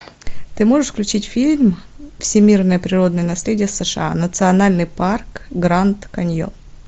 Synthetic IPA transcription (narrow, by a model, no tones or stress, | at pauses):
t̪ɨmo̞ʐɨʂfklʲʉt͡ɕitʲfʲilʲmfsʲɪmʲirnəjəpɾʲɪɾo̞d̪nəjənɐsʲlʲedʲɪjəsəʂɨ̰a̰nət̪sɨɐnalʲnɨjparkɡɾant̪kɐnʲjo̰